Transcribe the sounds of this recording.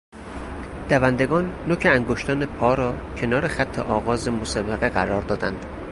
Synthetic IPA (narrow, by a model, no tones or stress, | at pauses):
d̪̥ævænd̪e̞ɡɒːnːocʰeæŋɡoʃt̪ʰɒːnepʰɒːɾɒː | cʰe̞nɒːɾexæt̪ʰːḛʔɒːɣɒːzemosæbeɣeɡæɾɒːɾd̪ɒːd̪ænd̪̥